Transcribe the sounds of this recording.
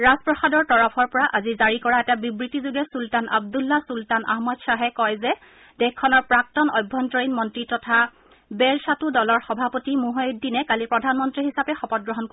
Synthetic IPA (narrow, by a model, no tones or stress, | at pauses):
ɹazpɹɔxadɔɹtɔɹɔpʰɔɹpɔɹaʔazizaɹikɔɹaɛtabibɹitizoɡɛsultanʔa̰b̚dulːasultana̰ɦmɔtsaɦɛkɔjzɛ | dɛxkʰːɔnɔɹpɹak̚tɔnɔjbʱːɔntɔɹinmɔntɹitɔtʰa | bɛɹsatudɔlɔɹxɔbʱapotimuɦɔjddinɛkalipɹɔdʱanmɔntɹiɦisapɛxɔpɔt̚ɡɹɔɦɔnko